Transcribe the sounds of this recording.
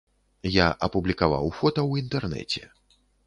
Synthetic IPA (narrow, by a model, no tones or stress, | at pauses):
jaʔɐpublʲikava̰wfɔt̪ɐwint̪ɛrnɛ̰t͡sʲɛ̰